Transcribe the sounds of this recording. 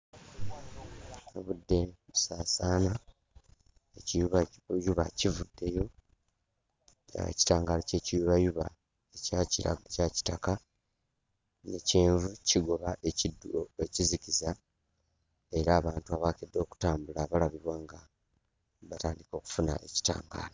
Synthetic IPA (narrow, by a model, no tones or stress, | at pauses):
aβudːe̞βusaːsaːna | e̞cijuβajuβa̰civudːe̞jo̞ | ci̥taːŋɡalace̞ːcijuβajuβa̰ | ecaciɾa̰caci̥taka | neceːɱvuciɡo̞βaʔeiuecizikiza | e̞ɾaːβaːntuaβaːkedːo̞ːku̥taːmbulaβalaβiβwaːŋɡa | βataːndiko̞ːku̥funa̰ʔe̞̰ci̥ta̰ːŋɡa̰ːlo